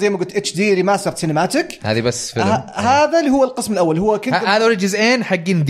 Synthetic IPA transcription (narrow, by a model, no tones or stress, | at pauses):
zajmaɡʊlt̪ʔɪt͡ʃːd̪iːɾimaːsɑɾˤt̪sɪnɪmaːt̪ɪkha̰ːðibasːfɪlaɦaːðalihʊwːalqɨsmɪlʔawːalhʊwːakɪnahaːðawlid͡ʒɪzʔeːnħaɡːind̪